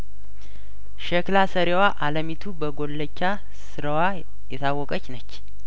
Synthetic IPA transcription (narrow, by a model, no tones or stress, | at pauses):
ʃəklasəɾewaʔaləmit̪ʰubəɡo̞lːət͡ʃːa | sɨɾəwa | jɛt̪ʰawːɔkʼət͡ʃːnət͡ʃː